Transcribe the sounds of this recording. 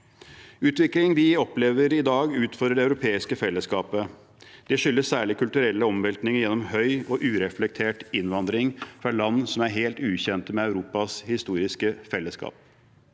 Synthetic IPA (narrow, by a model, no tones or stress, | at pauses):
ʉːt̪ʋɪklɪŋd̪ɪɔpleːʋəɾɪd̪ɑːɡʉːt̪fɔɖ̪ɾəɖɛɑʉɾʊpʰeːɪskəfɛlːəskɑːpə | d̪̥ɛʂʏlːəssæːɭɪkʰʉlt̪ʉɾɛlːəɔmʋɛlk̪nɪŋəjɛnːɔmhœʏɔʔʉːɾɛflɛk̚t̪ʰeːʈɪnʋɑnd̪ɾɪŋfɾɑɭɑnːsɔmæɾɦeːlt̪ʉːçɛnt̪əmɛɑʉɾuːpɑshɪst̪uːɾɪskəfɛlːəskɑ̰ːp̚